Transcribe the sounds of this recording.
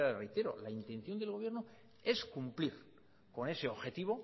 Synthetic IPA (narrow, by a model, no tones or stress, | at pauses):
aðerejt̪e̞ɾo̞̰laint̪en̟θjo̞nd̪e̞lɣo̞β̞je̞ɾno | e̞skumpliɾ | ko̞nese̞oβxe̞t̪iβ̞o̞